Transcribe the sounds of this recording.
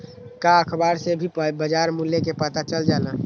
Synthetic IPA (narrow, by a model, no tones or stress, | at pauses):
kaəkʰbaːɾsebʱibəd͡ʒaːɾmulːekepət̪at͡ʃəld͡ʒaːna